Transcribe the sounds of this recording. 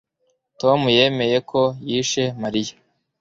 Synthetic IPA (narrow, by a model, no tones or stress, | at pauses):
to̞muje̞me̞je̞kʰo̞jiːʃe̞maɾija